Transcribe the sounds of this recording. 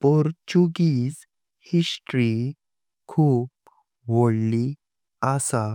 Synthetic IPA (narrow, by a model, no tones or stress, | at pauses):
pɔɾt͡ɕuɡiːz | hisʈɾi | kʰuːp | ʋoɽli | asa